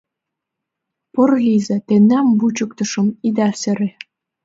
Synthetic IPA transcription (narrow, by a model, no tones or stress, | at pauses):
pɤ̆rɣizɘ̆t̪enːæmbut͡ɕɤ̆k̚t̪ɤ̆ʃɤ̆mid̪æsɘ̆ɾe